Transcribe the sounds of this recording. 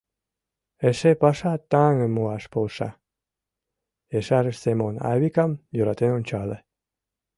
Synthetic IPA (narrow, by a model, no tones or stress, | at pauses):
eʃepɑʃɑt̪ːɑŋə̆muɑʃpolˠʃɑ̰ | eʃɑɾəʃsemonɑ̰βikɑmjoɾɑt̪enonʲt͡ɕɑle